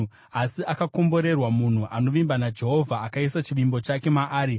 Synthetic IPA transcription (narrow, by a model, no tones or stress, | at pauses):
asiakako̞mbo̞ɾe̞rwamun̤uʔano̞ʋimbanad͡ʒe̞ɦo̞vʱaːkaisat͡ʃiʋimbo̞t͡ʃake̞maʔaːɾi